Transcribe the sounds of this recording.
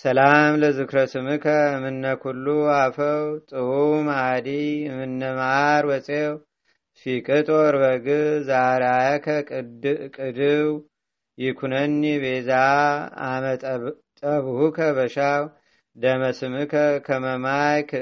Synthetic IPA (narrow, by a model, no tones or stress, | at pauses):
səlamləzɨkɾəsɨmɨkʰəmɨnːəkʰulːuafəwt̪ʼɨumad̪imɨnːəmaɾwɔt͡sʼew | fikʼɨt̪ʼoɾbəɡɨzaɾajkʰə | kʼɨd̪ɨw | jɪkʰunənːibeza | t̪ʼəβhukʰəβəʃaw | d̪əməsɨmɨkʰəkʰəməmajk